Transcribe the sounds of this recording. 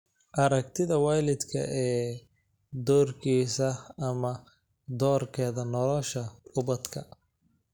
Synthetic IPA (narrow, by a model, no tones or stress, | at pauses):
ʔɐɾɐkt̪ʰɪðɐwaːjlɪd̪kʰɐ̰ʔɛː | d̪ɔːrkʰiːsɐɐmɐ | d̪ɔːrkʰɛːðɐnɔlɔʃɐʊbɐd̪kʰɐ